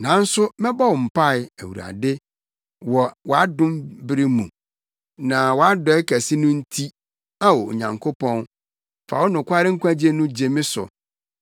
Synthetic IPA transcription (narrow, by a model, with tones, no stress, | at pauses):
nã˨˦n̩˦sʊ˦mɛ̃˦bɔ˦wɔ˨m̩˨pʰa˦˨ɪ˨æ˨wṵ˨ɾa̰˨dɪ˦ | wɔ˨wɔ˨a˦dʊ̃˦mbɪ˦ɾɪ˦mṵ̃˨ | nã˨wɔ˨a˦dɔ˦ɛ˦kʰæ˨si˦nʊ̃˦n̩˦tʰi˦ | a˦wɔ˨o̰˨ɲã˨ŋkʰo˦pʰɔ̃˦n | fa̰˨wɔ˦nʊ̃˨kʷa˦ɾɪ˦ŋ̩˦kʷʰa˦d͡ʑe˦nʊ̃˦d͡ʑe˨mɪ̃˦sʊ̰˨